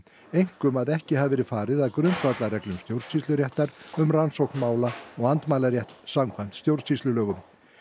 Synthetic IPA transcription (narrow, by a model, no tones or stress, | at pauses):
ejŋ̥kʏmaðɛhcɪhavvɛːɾɪfaːɾɪðaðkɾʏnt̪fat̪larɛklʏmst̪jowɾt̪sist̪lʏɾjɛht̪aɾʏmransowknmaːwlaɔɣant̪maːjlaɾjɛht̪samkʰvajn̥t̪st̪jowɾt̪sist̪ʏlœːɣʏm